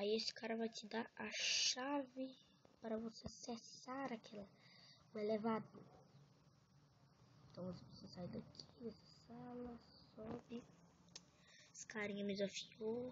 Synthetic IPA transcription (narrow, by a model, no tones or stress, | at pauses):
aiesi̥kaɾɐvajt͡ʃid̪aɐʃavɪ | paɾɐvosesɛsaɾakʰɛlɐũelevad̪ʊ | ẽet̪ɐ̃w̃aɐsɐ̥pesoɐsajd̪akʰid̪ɛsɐ̥salɐsɔbɪ | skaɾĩɲɐmizɐfio